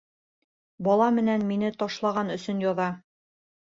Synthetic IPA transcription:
bɒlˠɑmɘ̆nænminɘt̪ɒʃlˠɑʁɑnɵ̆sɵnjɒðɑ

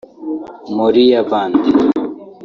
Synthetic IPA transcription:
moɾijabaːnd̪i

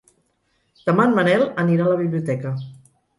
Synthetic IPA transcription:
t̪amanmənɛləniɾaləβiβliut̪ɛkə

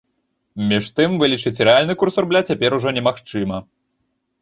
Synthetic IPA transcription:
mʲiʂt̪ɨmvɨlʲit͡ʂɨt͡sʲɾɛalʲnɨkursurblʲat͡sʲapʲɛɾuʐɔnʲɛmaxt͡ʂɨmɐ

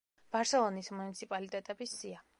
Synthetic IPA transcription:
b̥aɾsɛlˠɔnismunit̪sʰipʼalit̪ʼɛt̪ʼɛbisːia

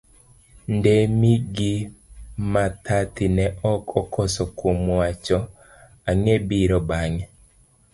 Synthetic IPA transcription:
ndemiɡi | mat̪ʰat̪inɛʔɔkʰɔkʰɔsɔkomwat͡ʃɔ | aŋebiɾɔbaŋɛ

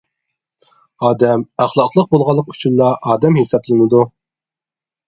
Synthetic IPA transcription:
ɑːd̪ɛmæχlˠɑqlˠəq̚bolˠʁɑlˠːəqy̥t͡ʃʰynlˠɑʔɑːd̪ɛmhesɑplˠɪnɪd̪u

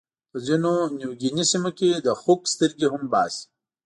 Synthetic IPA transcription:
pəzinonjuwɡinisimoked̪əxukst̪ɪɾɡiɦʊmbaːsi̥

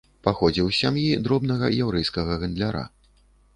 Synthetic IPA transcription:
paxɔd͡zʲiwsʲamjid̪ɾɔbnɐɣɐ̰jawɾɛjskɐɣɐɣɐnd̪lʲaɾa̰

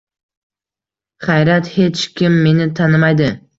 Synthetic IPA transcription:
χajɾat̪he̞t͡ʃkʲɪmːe̞nɪt̪ʰanɪmajd̪ɪ

